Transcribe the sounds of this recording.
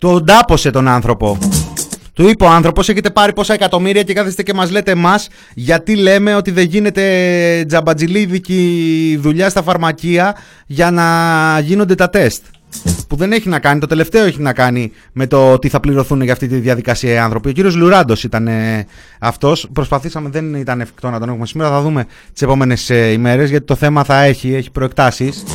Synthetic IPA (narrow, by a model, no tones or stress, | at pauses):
t̪ond̪ɐpo̞se̞t̪o̞nɐnθɾo̞po̞ | t̪uipoɐnθɾo̞po̞se̞çet̪e̞pɐɾipo̞sɐe̞kɐt̪o̞miɾiɐce̞kɐθest̪ece̞mɐzle̞t̪e̞ːmɐs | ʝɐt̪ile̞me̞o̞t̪iðe̞ʝine̞t̪e̞d͡zɐbɐd͡ziliðiciðuʎɐst̪ɐfɐɾmɐciɐ | ʝɐnɐʝino̞nd̪e̞t̪ɐt̪e̞st̪ | puðe̞neçinɐkɐnit̪o̞t̪eleft̪e̞o̞e̞çinɐkɐni | me̞t̪o̞t̪iθɐpliɾo̞θuneʝɐft̪it̪iðjɐðikɐsiɐiɐnθɾo̞pio̞ciɾio̞zluɾɐd̪o̞sit̪ɐne | ɐft̪o̞spɾo̞spɐθisɐmeðe̞nit̪ɐnfi̥kt̪o̞nɐt̪o̞nxumesime̞ɾɐθɐðume̞ | t̪i̥sepo̞me̞ne̞sime̞ɾe̞zʝɐt̪i̥t̪o̞θe̞mɐθɐe̞çieçi̥pɾo̞ek̚t̪ɐsis